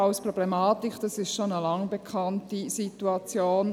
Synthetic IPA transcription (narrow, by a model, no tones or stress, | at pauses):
aʊspʁoblemaːtikd̥ɑsɪstʃonəlɑŋbekʰɑntisituɑt͡sjoːn